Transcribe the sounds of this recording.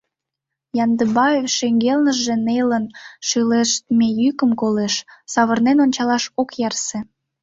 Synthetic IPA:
jɑnd̪əbɑefʃeŋɡelnəʒːe̽nelənʃyleʃt̪mejykəmkoleʃsɑβərnenonʲt͡ɕɑlɑʃokjɑrse

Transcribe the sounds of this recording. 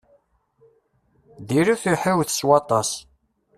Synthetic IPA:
ðiɾuθiħəwθswɑt̪ˤɑs

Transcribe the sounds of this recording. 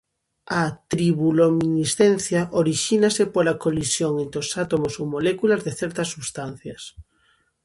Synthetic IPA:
at̪ɾiβulominisθenθjaʔoɾiʃinasepolakolisjoŋẽnt̪ɾeosat̪omosowmolekulazðeθɛɾt̪asːuβst̪an̟θjas

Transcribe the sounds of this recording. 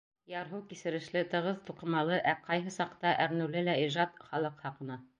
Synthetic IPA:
jɑɾɦɤwkisɘ̆ɾɘ̆ʃlɘt̪ɤ̆ʁɤðt̪uqɤ̆mɑlˠɤʔæqɑjɦɤsɑqt̪ɑʔæ̆ɾnʉlɘlæiʒɑt̪χɑlˠɤqhɑqɤ̆nɤ

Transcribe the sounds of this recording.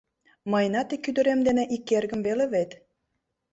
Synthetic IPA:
mɑjnɑt̪ekyd̪ə̆ɾemd̪eneʔikːerɡə̆mβeleβet̪

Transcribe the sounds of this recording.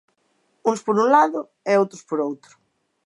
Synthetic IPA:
ũŋspoɾũnlaðʊ | eowt̪ɾʊspoɾowt̪ɾʊ

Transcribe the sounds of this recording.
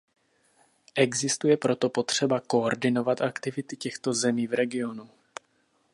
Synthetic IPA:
ʔɛɡzɪst̪ujɛpɾo̞t̪o̞po̞t̪r̝̥ɛbako̞ːɾdɪno̞vat̪ʔakt̪ɪvɪt̪ɪcɛxt̪o̞zɛmiːvɾɛɡɪo̞nu

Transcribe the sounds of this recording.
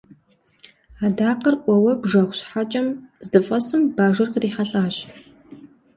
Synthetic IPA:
aːdaːqɐrʔʷɔwɐbʐɐχʷɕħat͡ʃʼɐmzdɨfʼɐsɨmbaːʒɐrqəriːħaɬʼaːɕ

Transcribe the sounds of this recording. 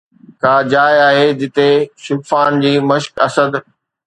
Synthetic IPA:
kaːd͡ʑaːjaːɦed͡ʑɪt̪eʃʊbfaːnd͡ʑiːməʃkɐsəd̪

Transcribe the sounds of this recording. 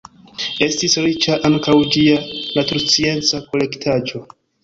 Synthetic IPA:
e̞stisɾit͡ʃaʔaŋkawd͡ʒianatuɾut͡sie̞nt͡sako̞le̞ktʰad͡ʒo̞

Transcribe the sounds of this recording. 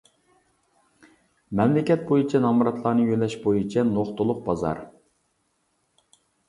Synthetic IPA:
mɛmlɪkʲɛt̪̚bojut͡ʃʰɛnɑmuɾɑt̪lˠɑːnɨjølːɛʃbojit͡ʃʰɛnoχt̪ʊlˠʊq̚bɑzɑ̰ɾ

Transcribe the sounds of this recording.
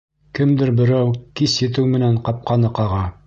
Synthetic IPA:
kɘmd̪ɘɾbɘ̆ɾæwkisjɘ̆t̪̬ɘwmɘ̆næɴqɑp̚qɑnɤqɑʁɑ

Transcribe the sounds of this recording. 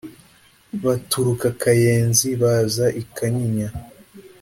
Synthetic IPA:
βatuɾukakajeːnziβazaʔikaɲiɲa

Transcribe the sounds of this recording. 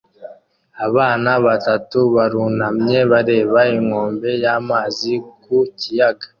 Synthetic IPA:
aβaːnaβatatuβaɾunamɲe̞βaɾe̞ːβaiŋo̞ːmbe̞jaːmaːzikucijaɡa

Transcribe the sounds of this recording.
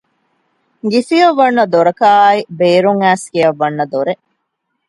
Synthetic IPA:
ɡisiɐʋːɐnːɐd̪oɾɐkaːibeːɾuŋæːskijɐʋːɐnːɐd̪oɾe

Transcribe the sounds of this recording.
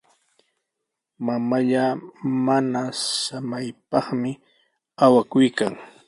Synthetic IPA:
mamaʎamanasamajpɑχmɪ | awakʊjkaŋ

